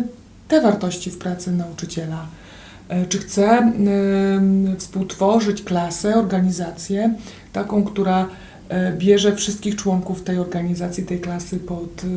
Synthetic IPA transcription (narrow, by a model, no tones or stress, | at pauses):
t̪ɛvaɾt̪ɔɕt͡ɕifpɾat̪sɘnaut͡ʂɘt͡ɕɛla | t͡ʂɘxt̪sɛ | fspuwt̪fɔʐɘt͡ɕklasɛɔɾɡaɲizat̪sʲjɛ | t̪akɔ̃w̃kt̪uɾa | bʲjɛʐɛfʂɘst̪̚kʲixt͡ʂwɔŋkuft̪ɛjɔɾɡaɲizat̪sʲjit̪ɛjklasɘpɔt̪